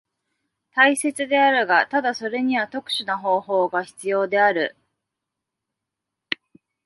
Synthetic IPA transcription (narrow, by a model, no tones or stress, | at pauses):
t̪aise̞t͡sɨd̪e̞aɾɯ̟ɡat̪ad̪aso̞ɾe̞ɲ̟iβat̪o̞kɯ̟̥ɕɨnaɦo̞ːɦo̞ːɡaçi̥t͡sɨjo̞ːd̪e̞aɾɯ̟̰